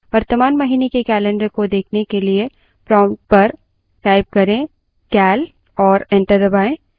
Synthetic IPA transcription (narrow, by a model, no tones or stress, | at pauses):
ʋɐɾt̪əmaːnmɐɦiːnekekɛːlɛ̃ɳɖəɾkod̪eːkʰnekelie | pɾɔ̃ːmʈ̚pɐɾ | kaːɪb̚kɐɾẽ | kɛːl | ɔːɾɛ̃ːɳʈəɾd̪ɐbaːẽː